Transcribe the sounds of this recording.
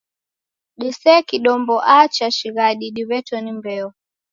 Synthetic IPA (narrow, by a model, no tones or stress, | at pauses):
ɗisɛkiɗɔmbɔʔat͡ʃaʃiɣaɗiɗiβɛtɔnimbɛɔ